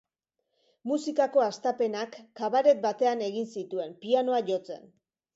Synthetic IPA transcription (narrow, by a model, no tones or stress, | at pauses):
musikako̞ast̪ape̞nakːaβaɾe̞t̪̚bat̪e̞ane̞ɣinsit̪ue̞mpiano̞aʝo̞t͡se̞̰n